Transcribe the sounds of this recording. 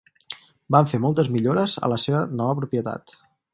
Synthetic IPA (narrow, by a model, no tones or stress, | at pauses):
baɱfemɔlˠt̪əzmiʎoɾəzə̰ləseβənɔβəpɾupjət̪a̰t̪